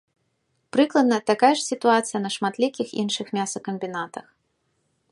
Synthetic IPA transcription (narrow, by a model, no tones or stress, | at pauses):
pɾɨklˠɐd̪̚nɐt̪akajɛʂsʲit̪uat̪sɨjɐnɐʂmat̪lʲikʲixḭnʂɨxmʲasɐkɐmʲbʲinat̪ɐx